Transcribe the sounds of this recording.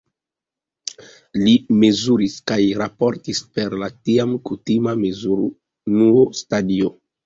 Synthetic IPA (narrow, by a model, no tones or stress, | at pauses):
lime̞zuɾiskajɾapo̞ɾtispe̞ɾlatiamkutimamezuɾ | nuostadio